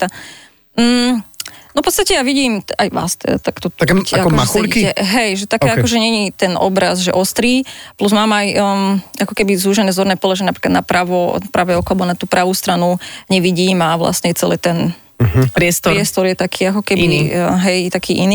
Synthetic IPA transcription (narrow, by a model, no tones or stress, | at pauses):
t̪a | m̩ | nɔfpɔt͡sst̪acɛjaʋiɟiːmajʋa̰st̪ɛ̰d̪a̰t̪akt̪ɔkaɔaɛlikiɛɦɛjʒɛt̪akɛːakɔʒɛɲɛɲit̪ɛnɔ̰bɾazʒɛ̰ʔɔst̪ɾiːpluzmaːmaj | akɔkɛbizuːʒɛnɛːzɔɾnɛːpɔlɛʒɛnapɾi̥ːklad̪napɾaʋɔpɾʔaʋɛɔkɔalɛbɔnat̪uːpɾaʋuːst̪ɾanuɲɛʋiɟiːmaʋla̰sɲɛt͡sɛlɛ̰ːt̪ɛn | pɾɪɛst̪ɔɾɪɛst̪ɔɾjɛt̪akʰiːakɔkɛbiɦɛjt̪akʰiːʔiniː